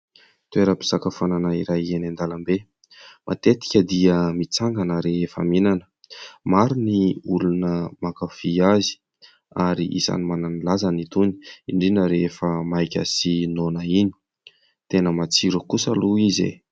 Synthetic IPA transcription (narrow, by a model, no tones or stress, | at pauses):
t̪ueɾəpi̥sakafananaiɾajenand̪alambe | mʔa̰t̪et̪i̥kʲəd̪iəmit͡saŋɡanəɾeefə̰minanə̥ | maɾiniulunəmakafiazi̥ | aɾiʔḭsa̰nimananilazanit̪uni̥iɳɖ͡ʐinəɾefəmajkʲə̰sinonaini̥ | t̪enəmat͡siɾəkusaluizḛ